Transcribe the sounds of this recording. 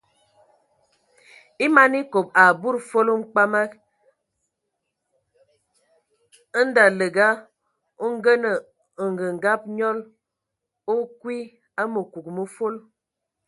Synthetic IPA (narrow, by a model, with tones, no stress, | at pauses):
i˦ma˦ni˦ko˨p̚a˨bu˦ɾfo˦lo˦ŋ͡m̩˦k͡pa˦ma˦k | n̩˦da˨lə˨ɡa˦ | o˦ŋ˦ɡə˦nə˨ | ŋ̩˨ɡə˨ŋ˨ɡa˦p̚ɲɔ˦l | o˦kwi˦ | a˦mə˨ku˨k̚mə˦fo˦l